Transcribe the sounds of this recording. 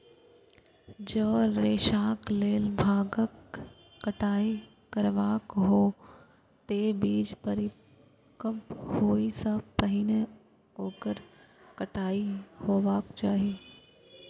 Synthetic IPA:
d͡ʒoːɾeːʃaːkleːlbʱaːɡəkː | əʈʰaːi | kəɾʋaːkɦoː | t̪eːbiːd͡ʒpəɾɪ | kəmphoːisəb̚pəɦine | oːkəɾ | kəʈʰaːihoːʋaːkt͡ʃaːɦieː

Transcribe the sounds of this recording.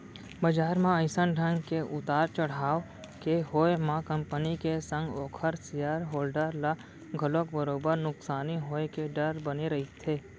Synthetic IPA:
bɐd͡ʒaːɾmãə̃ɪsənɖʱə̃ŋɡkeʔʊt̪aːɾt͡ʃɐɽ̤aːo | keɦoːemãkɐ̃mpənikesə̃ŋɡɔːkʰəɾsijaɾɦoːlɖəɾla | ɡʱəlokbəɾoːbəɾnʊksaːniɦoːekeɖɐɾbɐneɾɐɦit̪ʰeː

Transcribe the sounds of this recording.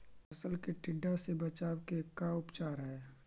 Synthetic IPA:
ɐsəlkeʈɪɖːasebɐt͡ʃaːwkekːaʊpt͡ʃaːɾɦɛː

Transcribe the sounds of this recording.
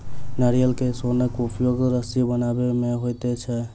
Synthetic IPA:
nəɾijəlkesonəkupʰijoɡɾəsibənabemeɦojt̪ɛt͡ʃʰɛ

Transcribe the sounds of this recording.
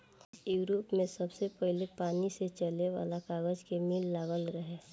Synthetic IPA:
juːɾoːpmẽsɐbsepɛɦlepaːniset͡ʃəleʋa̰ːlakaːɡəd͡ʒkemiːlːaːɡəlɾəɦeː

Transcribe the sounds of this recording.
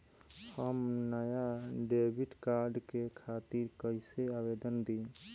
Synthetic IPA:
həmnəjaɖebʱiʈkaɾɖkekʰat̪iɾkəɪseabed̪ənd̪i

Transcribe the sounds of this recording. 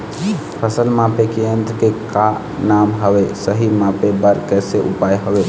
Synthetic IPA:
pʰəsəlmãpekeənd̪ɾkeka | namɦəbesəɦimãpebəɾkɛseʔupajɦəbe

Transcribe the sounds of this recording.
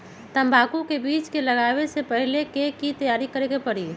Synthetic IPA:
t̪əmbʱakukebiːt͡ʃkeləɡaβesepəɦilekekit̪əjaɾikəɾekepəɾi

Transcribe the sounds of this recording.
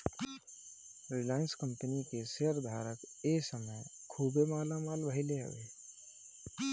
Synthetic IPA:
ɾilaɪnskəmpənikeseəɾd̪ʱaɾəkesəməjkʰubemaːlamalbʱəɪleɦə̰ʋe

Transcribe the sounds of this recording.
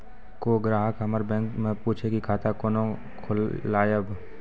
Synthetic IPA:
koɡɾaːɦəkɦɐməɾbɛ̃ːŋkmẽpuːt͡ʃʰekikʰaːt̪ʰakoːnõ | kʰʊlaːjəb

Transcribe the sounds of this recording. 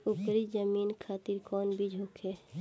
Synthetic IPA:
ʊkɾid͡ʒəmiːnkʰaːt̪iɾkɔːnbʱid͡ʒʱoːkʰe

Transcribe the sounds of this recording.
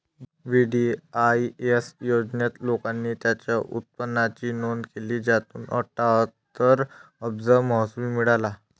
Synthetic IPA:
ʋiɖiaiesjod͡znjat̪lokanːiːt̪jat͡ɕjaʔṵt̪̚pənːat͡ɕiːnonkeliːd͡zat̪ṵːnə̰ʈat̪əɾəbd͡zəɾməɦsumimiɽala

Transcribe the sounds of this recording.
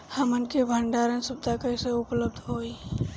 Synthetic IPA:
həmənkebʱəɳɖaːɾənsʊb̚d̪ʱakəɪseʊpləbd̪ʱɦoːi

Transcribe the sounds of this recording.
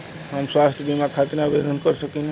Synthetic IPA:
ɦamswast̪ʰbʱimakʰat̪nabed̪ʱənkɔɾsəkina

